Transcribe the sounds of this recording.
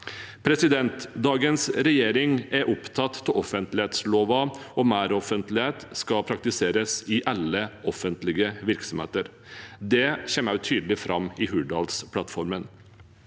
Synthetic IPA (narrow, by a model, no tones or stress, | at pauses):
pʰɾɛsɪd̪ɛnt̪d̪ɑːɡənsɾɛjeːɾɪŋæɾʔɔpt̪ʰɑt̪ʰːɪlɔfənt̪lɪheːt̪sloːʋɑɔmæːɾɔfənt̪lɪheːt̪skɑpʰɾɑk̚t̪ɪseːɾəsɪʔɑlːəɔfənt̪lɪɡəʋɪɾksɔmhḛːt̪əɾ | d̪ɛçɛmːæʉt̪ʰyːd̪lɪfɾʔɑmɪɦʉɖɑ̰lspʰlɑt̪fɔɾmən